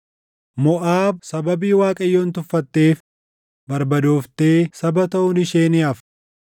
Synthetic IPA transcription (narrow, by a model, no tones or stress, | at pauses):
mɔʔaːb̚sɐbɐbiːwaːkʼɐjːo̞ːnt̪ʊfːɐt̪ːe̞ːf | bɐɾbɐd̪oːft̪e̞ːsɐbɐt̪ɐʔʊnɪʃeːnɪɐf